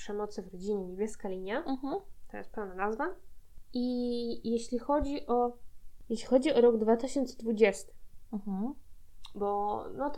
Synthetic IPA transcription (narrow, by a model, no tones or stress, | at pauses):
ʂɛmɔt̪sɘvɾɔd͡ʑiɲɛɲebʲjɛskalʲiɲaɦ̩t̪ɔjɛ̰st̪pɛwnanazvaijeɕlʲixɔd͡ʑiʔɔjeɕlʲixɔd͡ʑiɔɾɔɡd̪vat̪ɘɕɔnt̪sɛd̪vud͡ʑɛst̪ɘ̥m̩h̩ | bɔnɔt̪